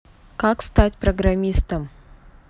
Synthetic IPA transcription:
kakst̪at̚ʲpɾəɡɾɐmʲist̪əm

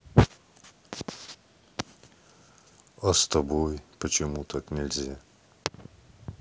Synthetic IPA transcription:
ɐst̪ɐbojpət͡ɕɪmut̪ʰaknʲɪlʲzʲa

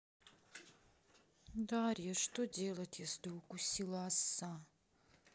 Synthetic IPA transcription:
d̪aɾʲijɛʂt̪odʲelˠɐtʲjaslʲiukusʲilˠasːa

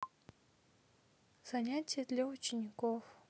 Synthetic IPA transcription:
z̥ɐnʲatʲɪjəd̪lʲaut͡ɕɪnʲɪkof

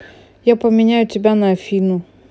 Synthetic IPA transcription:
japamɛɲajɔtibʲanafinu

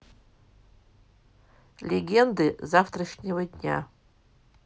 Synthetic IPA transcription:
lʲeɡʲend̪ɨzaft̪rɐʂnʲevɐd̪ʲnʲa̰

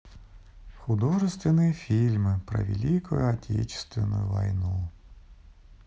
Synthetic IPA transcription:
xʊd̪ɔʒest̪ʋenɪjifʲilʲmɪpɾɐ̰ʋʲḭlʲikɔjʊɐtʲʰɛ̰t͡ʃɪ̥st̪ʋenɔ̰jʊʋɐ̰jnu

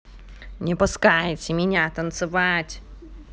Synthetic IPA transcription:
nʲɪpʊskajtʲɪmʲɪnʲat̪ɐnt̪sɨvatʲ

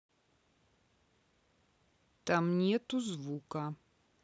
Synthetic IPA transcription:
tɐmniɛtuzvuːka

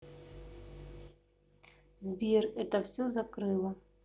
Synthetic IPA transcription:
zʲbʲirɛt̪ɐwsʲɔzakɾɨlˠɐ

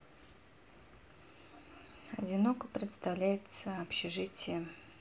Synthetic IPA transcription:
ɐdʲɪnokəpɾʲɪt̪st̪avlʲæjɪt̪səɐpɕɪʐɨtʲɪjə

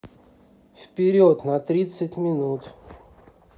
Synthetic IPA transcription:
fpʲɪɾʲot̪nɐt̪ɾʲit̪sətʲmʲɪnut̪

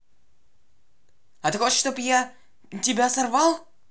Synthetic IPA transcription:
ɐt̪ɨxot͡ɕʂt̪opja | tʲɪbʲasɐrvɑlˠ

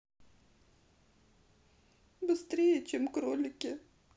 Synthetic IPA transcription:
bɨst̪ɾʲijɛt͡ʃɪmkɾɔlʲɪkʲɪ

